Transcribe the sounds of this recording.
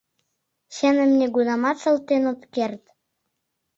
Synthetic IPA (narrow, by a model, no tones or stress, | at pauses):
ɕɘ̆nɘ̆mnʲeɡunɑmɑt̪ʃɤ̆lˠt̪ːenop̪kert̪